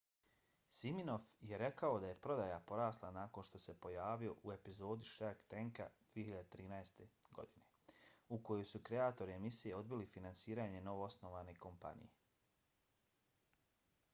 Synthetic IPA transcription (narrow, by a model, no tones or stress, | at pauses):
simino̞fjeɾe̞kao̞d̪aje̞pɾo̞d̪ajapo̞ɾaːslˠanaːko̞nʃt̪o̞se̞po̞jaːʋijo̞ʔue̞pizo̞ːd̪iʃaɾkt̪eŋka̰d̪̥ʋiehiʎad̪et̪ɾiːnaest̪eɡo̞̰d̪ine̞ | uko̞jojsukɾe̞aːt̪o̞ɾie̞misijeo̞d̪bilifinansiːɾaːɲe̞no̞ʋoosno̞ʋaneko̞mpa̰nḭje